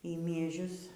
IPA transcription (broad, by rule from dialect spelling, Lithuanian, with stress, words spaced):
iː mʲiɛˈʒʲʊs